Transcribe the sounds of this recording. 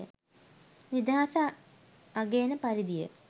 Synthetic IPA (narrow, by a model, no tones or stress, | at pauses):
ə̰ | nid̪aasaː | ɡeːnəpɐɾid̪ijə̰